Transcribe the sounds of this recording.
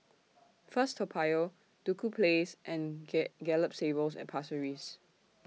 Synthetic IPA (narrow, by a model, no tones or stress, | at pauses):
fəstʰɔpʰajo | d̥ukʰupʰlesʔɛ̃nɡɛləp̚sebəls̬ɛ̰̃npʰasəɹis